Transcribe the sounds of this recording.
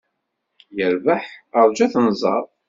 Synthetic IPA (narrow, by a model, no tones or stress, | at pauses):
jəɾvəħəɾˤd͡ʒæθnzˤɑ̰ɾˤ